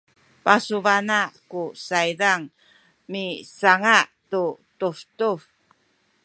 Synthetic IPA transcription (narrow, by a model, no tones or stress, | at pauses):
pasuvanaʔkusaidaŋ | misaŋaʔtutuftuf